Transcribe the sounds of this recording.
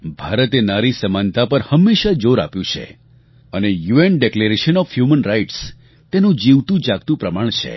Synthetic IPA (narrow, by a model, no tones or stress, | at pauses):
bʱaɾət̪enaɾisəmant̪apəɾhəmːeʃad͡ʒoɾa̰pjũt͡ʃʰḛ | ənejuenɖekleɾeʃənɔfhjumənɾaiʈs | t̪enũd͡ʒiʋt̪ũd͡ʒaɡt̪ũpɾəmaɳ̃t͡ʃʰḛ